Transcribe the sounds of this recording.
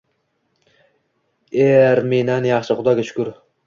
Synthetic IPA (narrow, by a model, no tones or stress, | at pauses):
eɾmenanjɑχʃɪχʊd̪ɒɡʲaʃʊ̥kʲʊɾ